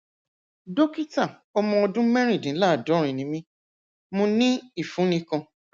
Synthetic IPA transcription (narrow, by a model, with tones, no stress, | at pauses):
do˦ki˦ta˦˨ | ɔ˧mɔ̃˧ɔ˧dũ˦mɛ˦ɾ̃ĩ˦˨dĩ˨˦la˦˨dɔ˨˦ɾ̃ĩ˨nĩ˨˦mĩ˦ | mõ˧nĩ˦i˦˨fũ˨˦nĩ˧kɔ̃˧